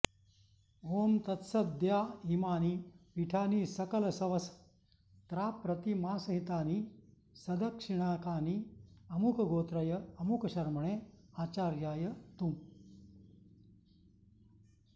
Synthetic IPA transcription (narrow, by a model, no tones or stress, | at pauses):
oːmt̪ɐt̪sɐd̪jaːɦimaːnipiʈʰaːniːsɐkɐlɐsɐʋɐs | t̪ɾaːpɾɐt̪imaːsɐɦit̪aːni | sɐd̪ʱɐkʂiɳaːkaːniɐmukɐɡoːt̪ɾɐjɐɐmukɐɕɐɾmɐɳeːaːt͡ɕaːɾjaːjɐt̪um